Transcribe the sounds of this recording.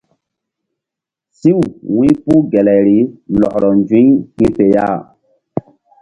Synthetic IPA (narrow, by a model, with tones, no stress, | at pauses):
si˦wwĩ˦pu˦ɡɛ˨lɛ˨ɾi˨˦lɔ˨ʔɾɔ˨nd͡ʒĩ˦ɲhĩ˦pe˨ja̰˦˨